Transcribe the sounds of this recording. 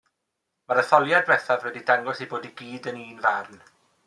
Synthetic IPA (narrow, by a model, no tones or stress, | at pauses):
maɾəθɔlˠjad̚wɛθavwɛdidaŋɡɔsiboːdiɡiːdəniːnvarn